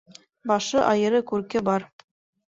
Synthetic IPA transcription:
bɑʃɤʔɑjɤ̆ɾɤkʉɾkɘbɑɾ

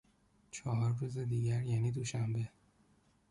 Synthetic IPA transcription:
t͡ʃʰɒːɦɒːɾːuːzed̪iːɟæɾjæːniːd̪oʃæmbe̞

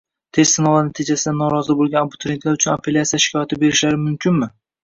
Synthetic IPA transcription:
t̪ʰe̞ssɪnɒlanat̪ʰɪd͡ʒasɪd̪anːɒɾɒzɪbolˠɡʲanabʊt̪ʰɾe̞nt̪ʰlaɾʊt͡ʃʰʊnapʰelʲatsijaʃɪ̥kʲʰɒjat̪ʰɪbe̞ɾɪʃlaɾɪmʊmkʲʰɪnmɪ

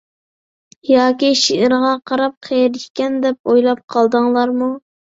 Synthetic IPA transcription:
jɑːkʲiʃiɪɾʁɑqʰɑɾɑp̚qʰejɾʃkʲɛnd̪ɛp̚ojlˠɑp̚qʰɑlˠd̪əŋlˠɑɾmu

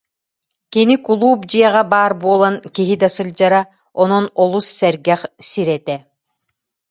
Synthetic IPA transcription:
kinikulˠuːpd͡ʑiɛʁabaːɾbuɔlˠankiɦid̪asɯlʲd͡ʑaɾa | ɔnɔnɔlˠusːɛɾɡɛχsiɾɛt̪ɛ

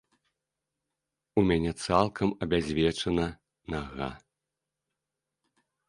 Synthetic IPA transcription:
umʲanʲɛt̪salˠkʰɐmɐbʲazʲvʲɛt͡ʂɐnɐ | naɣa̰

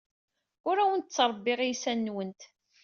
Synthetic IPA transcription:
ʊɾæwənt̪t͡sːɾˤbːɪʁijsænːwənt̪

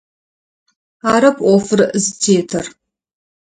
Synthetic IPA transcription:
aːɾɐpʰʔʷɔfɨrzɨtʰeːtʰɐr

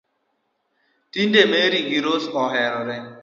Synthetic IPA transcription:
tindemeɾiɡiɾosɔɦɛɾɔɾɛ

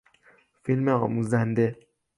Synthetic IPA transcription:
filmeɒːmuːzænd̪e

